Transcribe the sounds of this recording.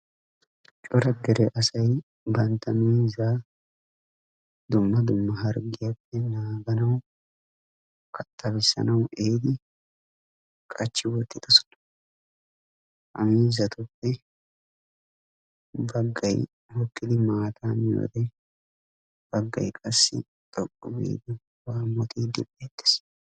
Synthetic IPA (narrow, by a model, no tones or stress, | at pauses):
t͡ʃʼɔɾɐɡɛɾɛʔɐsɐj | bɐnt̪ːɐmiːza | d̪ʊmːɐd̪ʊmːɐɦɐɾɡɪjɐpːɛnaːɡɐnɐw | kʰʼɐt̪ʰʼːɐbɪsːɐ̰nɐwʔeːd̪ɪ | kʼɐt͡ʃːɪwɔt̪ːɪd̪ɐsɔ̥nɐ̥ | ʔɐ̰miːzɐt̪ʰʊpːɛ | bɐɡːɐj | hɔkʼːɪd̪ɪmaːt̪ʰaːnjo̰ːd̪ɛ | b̥ɐɡːɐ̰jkʼɐsːɪ̰ | t̪ʼɔkʼːʊbḭːd̪ʊ | waːmːɔt̪ʰiːd̪ɪbeːt̪ːɪ̥s